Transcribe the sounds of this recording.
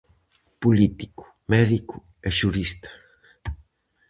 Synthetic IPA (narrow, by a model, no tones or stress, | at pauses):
pulit̪i̥ku̥ | mɛðiku | eʃuɾist̪ḁ